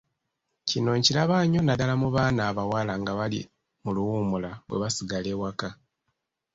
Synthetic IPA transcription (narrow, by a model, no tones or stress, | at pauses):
cino̞ɲcilaβaːɲo̞nadalamuβaːnaːβawalaŋɡaβalḭ | muluwumulaβwe̞̰βasiɡale̞ːwaka